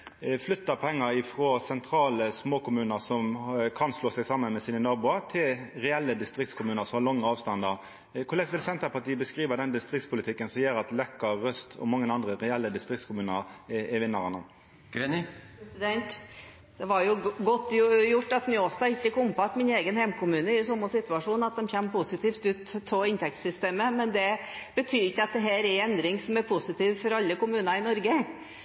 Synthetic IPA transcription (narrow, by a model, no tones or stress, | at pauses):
flʏt̪ːəpʰɛŋːəɾɪfɾoːsɛnt̪ʰɾɑːləsmoːkʰʊmʉːnəɾsɔmkʰɑnsloːsɛɡsɑmːənmɛsiːnənɑːbuːɑt̪ʰɪlʁɛɛlːəd̪ɪst̪ɾɪk̚t̪skʰʊmʉːnəɾsɔmhɑlɑŋːəɑːʋst̪ɑnd̪ɑɾ | kʰʊlɛɪsʋɪlsɛnt̪əpɑʈʰiːəbəskɾiːʋəd̪ɛnd̪ɪst̪ɾɪk̚t̪spʰʊlɪt̪ʰɪkːənsɔmjeːɾɑt̪lɛkːəːœst̪ʰɔ̰mɑŋːənɑnd̪ɾəɾɛɛlːəd̪ɪst̪ʁɪkt̪skʰʊmʉːnəɾɛʋɪnːəɾɑnəm | ɡɛnpɾɛsɪd̪ɛnt̪ | d̪̥ɛʋɑɾjʊɡɔt̪ːjʊʈːɑt̪nʏoːst̪ɑɪçːəkʊmpɑt̪mɪneːɡənhɛmkʰʊmʉːnəɪsɔmːɑsɪt̪ʉɑʂuːnɑt̪̚d̪ɛmçɛmːpʊsɪt̪ʰiːft̪ʉːt̪ʰːɔɪnt̪ɛk̚t̪sʏst̪eːməmɛnd̪ɛb̥ət̪ʰyːɾɪçːəɑt̪̚d̪ɛɦæːɾɛɾɛnd̪ɾɪŋsɔmæɾpʰʊsɪt̪ʰiːʋfɔɾɑlːəkʊmʉːnəɾɪnɔɾɡə